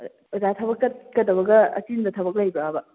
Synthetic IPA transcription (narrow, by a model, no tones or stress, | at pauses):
uzatʰɐbɐkːɐt̚kɐt̚ːɐbɐɡɐɐ̰t͡ʃindɐtʰɐbɐk̚lajbɐːbɐ